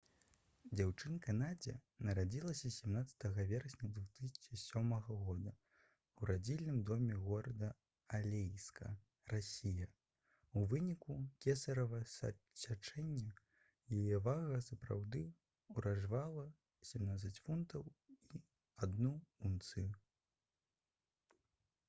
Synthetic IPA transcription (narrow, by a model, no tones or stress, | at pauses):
d͡zʲawt͡ʂɨnkanad͡zʲɛ̰nɐɾad͡zʲilˠɐsʲɐsʲɛmnat̪sɐ̥t̪ɐɣɐvʲɛɾɐsʲnʲɐd̪vut̪ɨsʲɐ̥t͡ʂɨsʲɔmɐɣɐɣɔd̪ɐ | uɾad͡zʲilʲnɨmd̪ɔmʲɛɣɔɾɐd̪ɐ | alʲejskɐ̰ | rasʲijɐ | uvɨnʲikukʲɛsɐɾɐvɐs | sʲat͡ʂɛnʲːɐ | jajɛvaɣɐsɐpɾa̰wd̪ɨ | uɾaʐvalˠɐ | sʲɛmnat̪sɐt͡sʲfunt̪ɐwi | ad̪nuunt̪sɨ